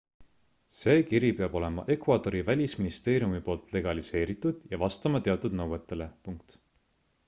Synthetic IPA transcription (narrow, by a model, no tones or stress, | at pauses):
se̞ːkiɾipe̞ɑb̥o̞le̞mɑ̰ʔe̞kvɑd̪o̞ɾivælʲisminist̪e̞ːɾijumipo̞ːlt̪ˑle̞ɡ̥ɑlise̞ːɾit̪ːˑud̪̥jɑvɑst̪ɑmɑt̪e̞ɑt̪ːˑud̪̥nɤwet̪ːˑe̞le̞puŋk̚t̪